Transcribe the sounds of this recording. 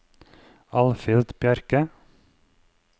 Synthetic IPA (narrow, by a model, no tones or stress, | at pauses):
ɑlfɪlt̪bjœɾkə